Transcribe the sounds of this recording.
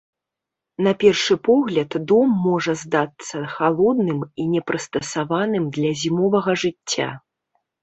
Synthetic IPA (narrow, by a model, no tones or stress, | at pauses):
napʲɛrʂɨpɔɣlʲɐt̪d̪ɔmːɔʐɐzd̪at̪sːɐxalˠɔd̪nɨminʲɛpɾɨst̪ɐsavanɨmd̪lʲɐzʲimɔvɐɣɐʐɨt͡sʲːa̰